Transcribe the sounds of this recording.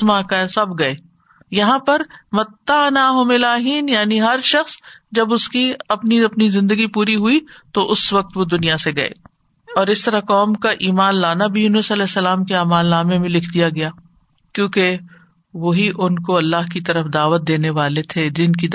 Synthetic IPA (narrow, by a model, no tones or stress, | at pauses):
mãkasɐbɡɐeː | jɐɦãpɐɾmɐt̪ːanaːɦʊmɪlaːɦiːnjaːniɦɐɾʃɐxsd͡ʒɐbʊskiɐpniɐpnizɪ̃nd̪əɡipuːɾiɦuit̪oʔʊsʋɐk̚t̪ʋod̪ʊnijaseɡɐḛː | ɔːɾɪst̪ɐɾakɔːmkaʔiːmaːnlaːnabʱijunəsɐlɛːsɐlaːmkeaːmaːlːaːmemẽlɪkʰd̪ijaɡɐjaː | kjõːke | ʋoɦiʔʊnkoɐlːaːɦkit̪ɐɾəfd̪aːʋət̪̚d̪eːneʋaːlet̪ʰed̪ɪnki